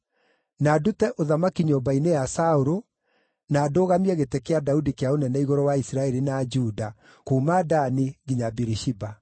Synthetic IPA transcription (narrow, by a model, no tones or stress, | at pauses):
naːdutɛʔoðamakiɲoːbainejasaoɾo | naːdoːɣamiɛɣetekeadaudikeaonɛnɛiɣɔɾɔwaisɾaɛɾinad͡ʒuda | komadaniɡiɲabiɾiʃiba